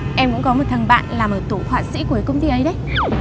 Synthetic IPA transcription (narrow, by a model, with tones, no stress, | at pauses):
ʔɛ˧mkʊ̰˧˥ŋ͡mkɔ˨˦mo˨˩t̚t̪ʰə˨˩ŋɓa̰ː˧˨nlaː˨˩mʔəː˧˩t̪u˧˩hwaː˧˨˩t̚sḭ˧˥ku˨˧˩kkə˧wŋ͡mt̪i˧ʔə˨˦jɗə˨˦j